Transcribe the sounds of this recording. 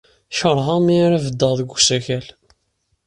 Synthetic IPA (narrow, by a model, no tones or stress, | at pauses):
ʃəɾˤʁɑmiɾævəd̪ːəʁðəɡʷsæçæl